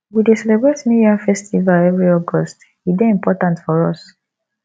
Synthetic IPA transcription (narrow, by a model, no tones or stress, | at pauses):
widesɛlebɹetnĩjafɛstʰivalɛvɹiɔɡɔst | hideĩmpɔtãntfɔɹɔs